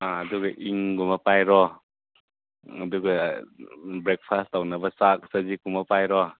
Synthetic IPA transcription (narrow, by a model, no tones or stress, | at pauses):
aaduɡaʔiŋɡumapajɾɔ | aduɡa | bɾɛk̚pʰastawnabasak̚sazikumapajɾɔ